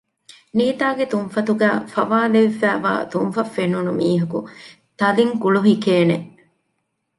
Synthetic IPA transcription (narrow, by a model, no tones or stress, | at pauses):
niːt̪aːɡet̪unfɐt̪uɡæːfɐʋaːleʋefæːʋa̰ːt̪unfɐfenːunumiːɦɐku | t̪ɐliŋkuɭuɦikeːneʔ